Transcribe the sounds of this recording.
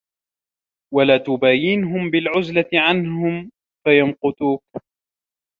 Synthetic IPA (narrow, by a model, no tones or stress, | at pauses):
walaːt̪ʊbaːjɪnɦʊmbɪlʕʊzlat̪ɪʕanɦʊm | fajamqʊt̪uːk̚